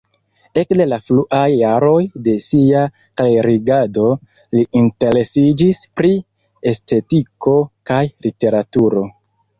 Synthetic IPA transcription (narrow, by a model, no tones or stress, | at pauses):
e̞kde̞lafluʔajːaɾo̞jde̞sia | kleɾiɡado̞ | liʔinte̞ɾe̞sid͡ʒispɾi | e̞ste̞tiko̞kajlite̞ɾatuɾo̞